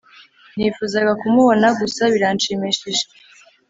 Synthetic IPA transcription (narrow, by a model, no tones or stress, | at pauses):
nifuːzaɡakumuβo̞naɡusaβiɾant͡ʃemeʃiʒe